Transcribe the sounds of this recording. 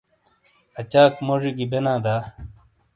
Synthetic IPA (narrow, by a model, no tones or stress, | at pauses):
ɐt͡ɕaːkmoʐiɡibenaːd̪aː